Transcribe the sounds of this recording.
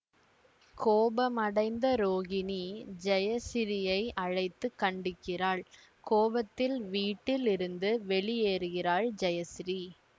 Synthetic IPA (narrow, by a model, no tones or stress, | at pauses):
koːbɐmɐɽɐɪnd̪ɐɾoːɣɪnid͡ʒɐjɐsɪɾɪjɐɪɐɻɐɪt̪ːɯkːɐɳɖɪkːɪraːɭ | koːbɐt̪ːɪlʋiːʈːɪlɪɾɯnd̪ɯʋɛɭijeːɾɯɣɪraːɭd͡ʒɐjɐsɪɾi